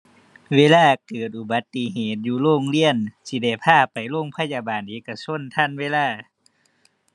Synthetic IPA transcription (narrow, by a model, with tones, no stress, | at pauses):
weː˧˥˨laː˧˥˩kɤː˨˩t̪̚ʔu˧ba˨˦t̪ːi˧ɦeː˨˩t̪̚juː˧˦loː˧˥˨ŋli˧˥˨ənsi˧da˧˩jpʰaː˧˩pa˨˩jloː˧˥˨ŋpʰa˧˥˨ja˧baː˨nʔeː˨˦ka˧sʰo˧˥˨nt̪ʰa˧˥˨nweː˧˥˨laː˧˩˨